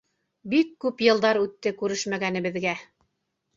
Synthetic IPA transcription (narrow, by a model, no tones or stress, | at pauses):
bikːʉpjɤ̆lˠd̪ɑɾʉt̪ːɘkʉɾɘʃmæɡænɘ̆βɘ̆ðɡæ